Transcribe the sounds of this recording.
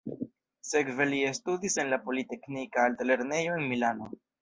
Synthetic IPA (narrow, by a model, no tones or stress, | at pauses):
se̞kve̞lie̞studise̞nlapo̞lite̞knikaːltale̞ɾne̞joe̞nmilano̞